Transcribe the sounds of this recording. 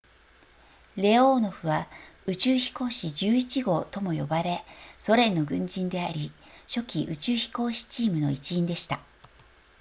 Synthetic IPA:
ɾe̞o̞ːno̞ɸɯ̟βaɯ̟t͡ɕɨːçi̥ko̞ːɕid͡ʑɨːit͡ɕiɡo̞t̪o̞mo̞jo̞̰baɾe̞so̞ɾẽ̞nːo̞ɡɯ̟̃ɲ̟d͡ʑĩnd̪e̞aɾʲiɕo̞kʲiʔɯt͡ɕɨːçi̥ko̞ːɕi̥t͡ɕiːmɯ̟no̞̰it͡ɕiĩnd̪e̞ɕi̥t̪a

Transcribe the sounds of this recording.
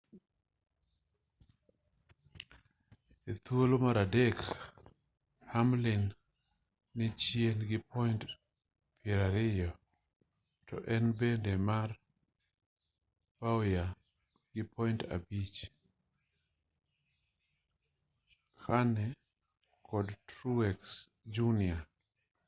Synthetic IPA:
et̪wolomaɾadek | hamlɪnː | ɪt͡ʃjenɡɪpɔɪnt | pɪɛɾaɾɪjɔ | tɔ̰ʔɛnbendemar | paoja | ɡɪpɔinta̰bit͡ʃ | kʰanɛ | kʰɔdtɾuwɛks | d͡ʒunɪa

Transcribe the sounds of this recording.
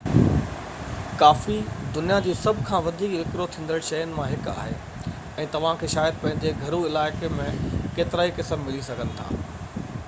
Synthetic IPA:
kaːfid̪ʊnijad͡ʑiːsɐbʱkʰãːʋɐd̪ʱiːkʋɪkɾot̪ʰĩːn̆d̪əɽʃɐjənɪ̆mãɦɪka̰ːɦḛː | ɛ̃ːt̪ɐʋ̤ãkʰeːʃaːjəd̪̚pɐ̃ɦɪ̃ɲ̆d͡ʑeɡʱɐɾuɪlaːɪkemẽkeːt̪ɪɾaːikɪsəmmɪlisɐɡʱənɪ̆t̪ʰa̰ː

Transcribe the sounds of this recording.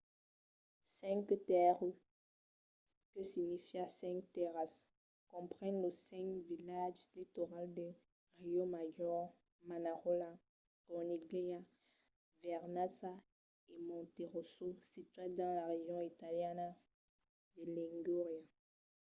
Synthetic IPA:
sɛ̃ŋkt̪ɛʁy | kəsinifjasɛ̃ŋk̚t̪eʁas | kɔ̃pχɛ̃nləsɛ̃kvilaʒlit̪oʁald̪ə | ʁiomaʒɔʁ | manaʁola | kɔniɡlia | vɛʁnasa | emɔ̃t̪eʁososit̪ɥɛd̪ɑ̃laʁeʒjɔ̃it̪aljana | d̪əliŋɡyʁja

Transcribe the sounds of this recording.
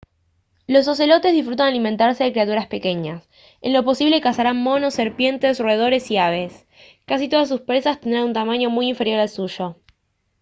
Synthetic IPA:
lo̞s̬os̬e̞lo̞t̪e̞zðisfɾut̪̬analime̞nt̪aɾseðekɾeat̪̬uɾaspe̞ke̞ɲas | e̞̰nlo̞po̞siβle̞kasaɾanmo̞no̞se̞ɾpje̞nt̪e̞sroeðo̞ɾe̞siaβ̞es | kasit̪o̞ðas̬ːuspɾe̞sast̪e̞nd̪ɾanunt̪amaɲo̞mujiɱfe̞ɾjo̞ɾalsuʃo̞

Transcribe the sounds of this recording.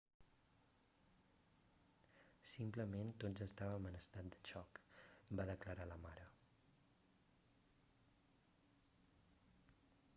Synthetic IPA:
simpləment̪ozəst̪aβəmənəst̪at̪̚d̪ət͡ʃɔkbaðəkləɾaləmaɾə

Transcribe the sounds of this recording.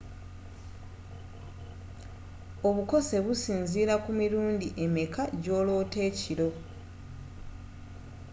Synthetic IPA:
o̞βuko̞se̞βusiːnziːɾakumiɾuːndiʔe̞mekaɟo̞ːlo̞ːte̞ːciɾo̞

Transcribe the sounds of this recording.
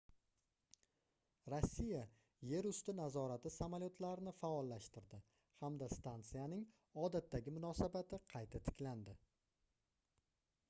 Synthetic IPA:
ɾosʲːija | je̞ɾʊst̪ɪnazɒɾat̪ɪsamaljot̪ʰlaɾɪnɪfaɒlːaʃt̪ɪɾd̪ɪ | hamd̪ast̪ant̪sɨjanɪŋ | ɒd̪at̪ːaɡʲɪmʊnɒsabat̪ʰɪqʰɑjt̪ʰat̪ʰɪ̥kʲland̪ɪ

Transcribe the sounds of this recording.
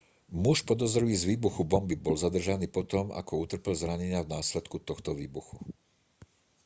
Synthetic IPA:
muʃpɔd̪ɔzɾʋiːzʋiːbuxubɔmbibɔlzad̪r̩ʒaniːpɔt̪ɔma̰kɔut̪r̩pɛlzɾaɲɛɲɪavnaːslɛt̪kut̪ɔxt̪ɔʋiːbuxu̥

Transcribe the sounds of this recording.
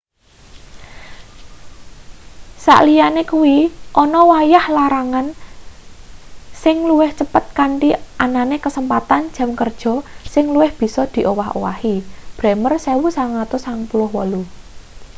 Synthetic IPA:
sa̰ʔlijanekuwiʔɔnɔwajahlaɾaŋan | sɪŋluwɪht͡ʃəpət̪̚kaɳʈiʔananekəsəmpat̪and̥d͡ʒ̥a̤mkərd̥ʒ̥ɔ̤sɪŋluwɪhb̥i̤sɔd̪̥i̤ʔowaɦo̰wa̰hib̥ɾɛmərsɛwusaŋat̪ʊsaŋpulʊhwɔlu

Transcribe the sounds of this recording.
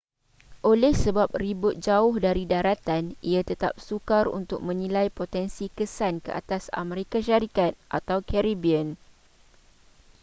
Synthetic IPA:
ʔolɛhsəbap̚ribʊt̪̚d͡ʒaʊhdaɾidaɾat̪anʔiat̪ət̪a̰p̚sukarṵnt̪ʊk̚mə̃nĩlajpot̪ɛnsikəsankəʔa̰t̪asa̰meɾikaʃaɾikat̪̚ʔat̪awkɛɾibiən

